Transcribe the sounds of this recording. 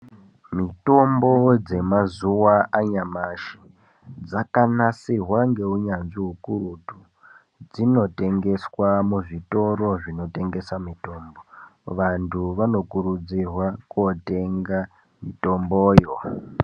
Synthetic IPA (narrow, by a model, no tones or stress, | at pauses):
mito̞mbo̞d͡ze̞mazuwaaɲamaʃi̥ | d͡zakanasiɦwaŋɡe̞uɲanʐiɦukuɾutu | d͡zino̞te̞ŋɡe̞swamuʐito̞ɾo̞ʐino̞te̞ŋɡe̞samito̞mbo̞ʋantʰuʋano̞kuɾud͡zirwakwote̞ŋɡa | mito̞mboːjo